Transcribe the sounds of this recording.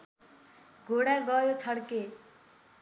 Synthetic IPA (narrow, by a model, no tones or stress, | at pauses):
ɡʱoɽaɡʌjot͡sʰʌɽke